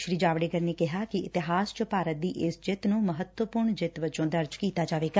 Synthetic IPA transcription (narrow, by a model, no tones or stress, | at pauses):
ʃɾiːd͡ʒaːʋɽeːɡəɾneːkɪɦaːkɪʔɪt̪ɪɦaːst͡ʃəpaːɾət̪̚d̪iːʔɪsd͡ʒɪt̪nũːməɦət̪wəpʊɾɳd͡ʒɪt̪ʋət͡ʃõːd̪əɾd͡ʒkiːt̪aːd͡ʒaːʋeːɡa